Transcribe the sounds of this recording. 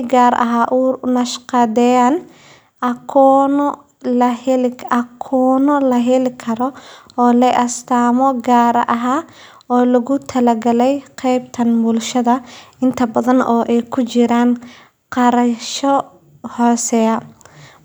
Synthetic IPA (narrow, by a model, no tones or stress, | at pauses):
ɡaːɾɐ̰ɦaːʔuːnɐʃqɑd̪ɛjaːn | ʔɐkʰɔːnɔ | lɐhɛlɐkʰɔːnɔlɐɦɛlɪkʰɐɾɔɔːlɛʔɐst̪ʰaːmɔɡaːɾɐ̰ʔɐɦaː | ɔːlɐɣʊt̪ʰɐlɐɡɐlɛjqʰɛjbt̪ʰɐnbʊlʃɐðɐɪnt̪ʰɐbɐðɐnɔːʔɛjkʰʊt͡ʃɪɾaːn | qɑɾɐʃɔ | hɔːsɛɐ